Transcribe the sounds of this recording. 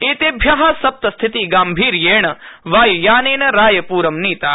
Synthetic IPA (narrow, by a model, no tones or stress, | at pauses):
eːt̪eːbʱjaɦɐsɐp̚t̪ɐst̪ʰit̪iɡaːmbʱiːɾjeːɳɐʋaːjujaːneːnɐɾaːjɐpuːɾɐmniːt̪aː